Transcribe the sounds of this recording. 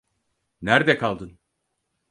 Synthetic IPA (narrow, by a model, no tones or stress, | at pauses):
næɾd̪ɛkʰalˠd̪ɯn